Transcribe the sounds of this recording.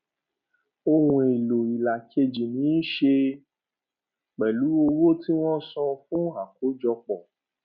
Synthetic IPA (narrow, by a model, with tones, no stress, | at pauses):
o˧hũ˧e˨lo˨i˨la˨ke˧d͡ʒi˨nĩ˨˦ʃe˧ | k͡pɛ˨lu˨˦o˧wo˦ti˦w̃ɔ̃˦sɔ̃˧fũ˦a˨ko˨˦d͡ʒɔ˧k͡pɔ˨